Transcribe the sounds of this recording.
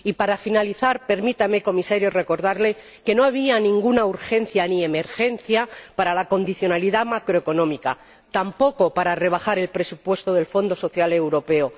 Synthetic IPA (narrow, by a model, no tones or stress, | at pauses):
ipaɾafinaliθaɾpe̞ɾmit̪ame̞ko̞misaɾjore̞ko̞ɾðaɾle̞ | ke̞no̞aβ̞ianĩŋɡunauɾxe̞n̟θjanieme̞ɾxe̞nθjapaɾalako̞nd̪iθjo̞naliðamakɾoeko̞nõ̞mika | t̪ampo̞ko̞paɾare̞β̞axaɾe̞lpɾe̞supwe̞st̪oð̞e̞lfo̞nd̪oso̞θjale̞wɾo̞pe̞o